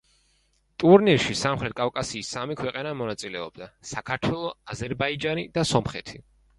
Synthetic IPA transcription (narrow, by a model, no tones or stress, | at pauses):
t̪ʼuɾniɾʃisamχɾɛt̪̚kʼafkʼasiːsamikʰwɛqʼɛnamɔnat̪sʼilɛɔb̥̚d̪asakʰaɾt̪ʰwɛlˠɔazɛɾbaid͡ʒanid̪̥asɔmχɛ̰t̪ʰi